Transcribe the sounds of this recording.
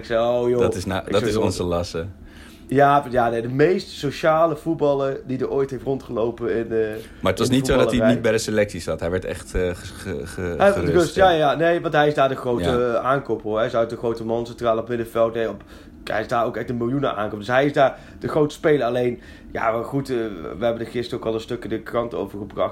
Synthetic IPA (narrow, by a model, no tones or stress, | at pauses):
ɪksɛjowjotɪsadɑɪsɔnzəlɑsə | jaːjanedəmejstsoʃaːləv̥ut̚bɑləɹdidəɹoːjtɦejftrɔntχəlowpənɪnə | maːətʋɑsnitfsodɑlətinit̚bɛjdəselɛksisɑtɦɛjʋɛɹtɛ̰χtəəərøstjaːanejʋɑntɦɛjɪzdaːɹdəχrowtəaːnkopoɹɦɛsœɥt̚dəχrowtəmɑnsɛntraːlˠəɔpmɪdəvɛlˠtnejɔp | ɛ̰jɪsdaːɹowkɛχtdəmɪlˠjunə̰ʔa̰ːŋkop̚dɵsɦɛjɪzdaːɹ | d̥əχrowtə̥spejləɹɑlejn | ja̰ːʋχutʋəɦɛbəndəχɪstərowkɑlˠəstɵkədəkrɑnto̰wvəɹχəbrɑχt